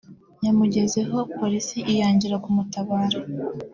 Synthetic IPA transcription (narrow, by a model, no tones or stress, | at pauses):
ɲamuɟe̞ze̞ɦo̞po̞ɾisiʔijaːɲɟiɾakumutaβaːɾa